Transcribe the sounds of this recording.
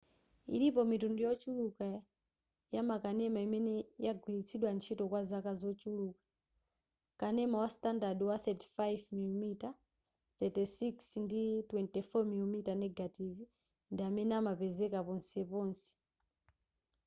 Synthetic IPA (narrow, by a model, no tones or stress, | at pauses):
ḭlipɔmitundujɔt͡ʃuluka | jamakanɛmaimɛnɛjaɡwilit͡sʰiɗwant͡ʃʰitɔkwazakazɔt͡ʃuluːkḁ | kanɛmawastandadwaθɛti̥fajvmilumita | θɛtisiksnditwɛntɛfɔmilumitanɛɡativ | ndiamɛnɛamapɛzɛkapɔnsɛpɔːnsɛ̥